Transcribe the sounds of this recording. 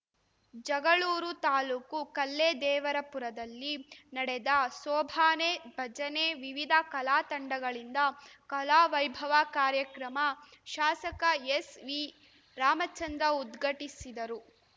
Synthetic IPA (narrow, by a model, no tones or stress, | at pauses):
d͡ʒɐɡɐɭuːɾut̪aːluːkukɐlːed̪ɛːʋɐɾɐpuɾɐd̪ɐlːinɐɽɛd̪ɐsɔːbʱaːnebʱɐd͡ʒɐneʋiʋid̪ʱɐkɐlaːt̪ɐɳɖɐɡɐɭind̪ɐkɐlaːʋɐjbʱɐʋakaːɾjɐkɾɐmɐʃaːsɐkɐesʋi | ɾaːmɐt͡ʃɐnd̪ɾɐud̪ɡʱɐʈisid̪ɐɾu